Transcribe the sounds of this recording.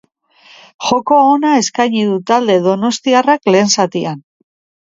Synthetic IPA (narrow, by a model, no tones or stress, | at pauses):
xo̞ko̞onae̞skajɲiðut̪ald̪e̞ðo̞no̞st̪iarakle̞ːnsat̪ian